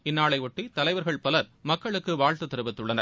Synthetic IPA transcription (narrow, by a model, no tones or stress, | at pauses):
ɪnːaːɭɐɪʋɔʈːit̪ɐlɐɪʋɐɾɣɐɭpɐlɐɾmɐkːɐɭɯkːɯʋaːɻt̪ɯt̪ːɪɾɯʋɪt̪ːɯɭːɐnɐɾ